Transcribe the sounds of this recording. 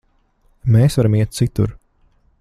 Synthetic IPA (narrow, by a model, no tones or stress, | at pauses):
meːsvaɾamiɛt̪̚t̪sit̪ṵɾ